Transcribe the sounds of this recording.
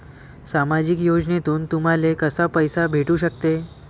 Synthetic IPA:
samad͡ʑikjod͡ʑnet̪uːnt̪um̤alekəsapəjsabʱeʈuːɕək̚t̪e

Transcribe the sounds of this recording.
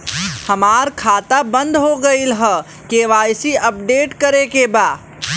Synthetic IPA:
həmaːɾkʰaːt̪abə̃nd̪ɦoɡəilɦə | keʋaːjsiəp̚ɖeːʈkəɾekebaː

